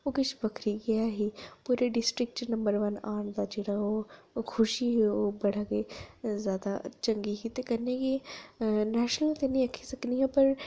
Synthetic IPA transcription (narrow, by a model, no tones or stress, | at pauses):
oːkɪt͡ʃʰbɐkʰɾiɡɪaːɦiːpuːɾeɖɪsʈɾɪk̚ʈnɐ̃mbəɾʋənaːɳ̃d̪aːd͡ʒeːɽaoː | kʰʊʃiɦeoːbɐɽ̤aːɡezjaːd̪a̰t͡ʃəŋɡiɦit̪ekɐneɡi | nɛːʃnəlt̪enĩɐkʰisɐkniɦãpɐɾ